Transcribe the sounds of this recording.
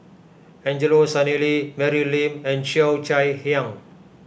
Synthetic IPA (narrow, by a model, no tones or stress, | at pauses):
ɛ̃ɲd͡ʒəlosanelimɛɾilĩmɛ̃nʃiawt͡ʃajhiãŋ